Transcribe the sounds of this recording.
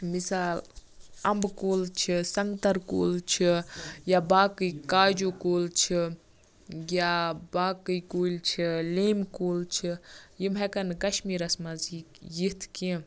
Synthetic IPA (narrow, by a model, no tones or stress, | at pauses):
misaːlɐmbkoːlt͡ʃʰisɐŋɡt̪ɐɾko̰ːlt͡ʃʰijaːbaːkɨkaːd͡ʒoːkoːlt͡ʃʰi | ɡjabaːkɨjkoːlt͡ʃʰileːmkoːlt͡ʃʰijimɦɐkɐnkɐʃmiːɾɐsmɐzi | jit̪ʰkĩ